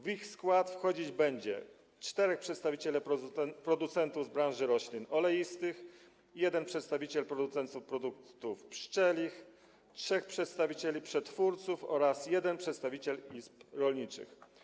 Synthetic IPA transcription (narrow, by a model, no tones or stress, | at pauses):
vixskwat̪fxɔd͡ʑid͡ʑbɛɲd͡ʑɛ̰ | t͡ʂt̪ɛɾɛxpʂɛt̪st̪avʲit͡ɕɛlɛpɾɔd̪ut̪sɛnt̪uvzbɾãnʐɘɾɔɕlʲinɔlɛjist̪ɘx | jɛd̪ɛnpʂɛt̪st̪avʲit͡ɕɛlpɾɔd̪ut̪sɛnt̪sufpɾɔd̪ukt̪ufpʂt͡ʂɛlʲix | tʂɛxpʂɛt̪st̪avʲit͡ɕelʲipʂɛt̪fuɾt̪sufɔɾasjɛd̪ɛnpʂɛt̪st̪avʲit͡ɕɛlispɾɔlʲɲit͡ʂɘ̰x